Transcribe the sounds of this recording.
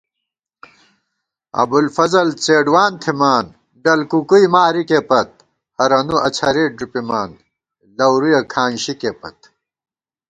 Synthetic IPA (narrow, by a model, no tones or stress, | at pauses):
ɐ̰bulfɐzɐlt͡seːɖwaːnt̪ʰimaːn | ɖɐlkukujmaːɾikepɐt̪̚ | hɐɾɐnuʔɐt͡ɕʰɐɾeːɖupimaːn | lɐwɾujɐkʰaːnɕikepɐ̰t̪̚